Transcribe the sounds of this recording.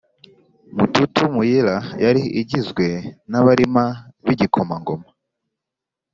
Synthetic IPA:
mututumujiɾajaɾiʔiɟizɡwe̞naβaɾimaβiɟikʰomaŋɡoma

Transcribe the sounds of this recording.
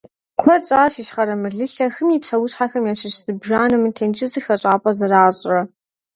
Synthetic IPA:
kʷʰɔt͡sʼaːʃiʃχɐɾɐmɨɮɨɬɐxɨmipsɐwʊɕħaxɐmjaːʃɪʃz̥ɨbʒaːnɨmɨtʰeːnt͡ʃʼɪzɨxɐʈ͡ʂʼaːpʼɐzɨraːɕʼrɐ

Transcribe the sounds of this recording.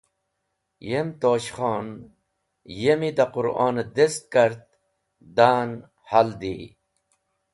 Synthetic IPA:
jemt̪oːɕχoːn | jemid̪aqʊɾa̰ːned̪est̪̚kaɾt̪̚ | d̪aːn | hald̪i

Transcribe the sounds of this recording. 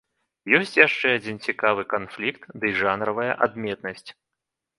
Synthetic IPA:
jɔsʲt͡sʲjaʂt͡ʂɛad͡zʲint͡sʲikavɨkanflʲikt̪d̪ɨʐanɾɐvɐjɐ̰ʔad̪mʲɛt̪nɐsʲt͡sʲ

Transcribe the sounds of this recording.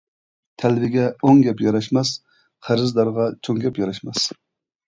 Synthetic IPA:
t̪ʰɛlvɪɡʲɛoŋɡʲɛpjɑɾɑʃmɛs | qʰæɾɨzd̪ɑɾʁɑt͡ʃʰoŋɡʲɛpjɑɾɑʃmɛs

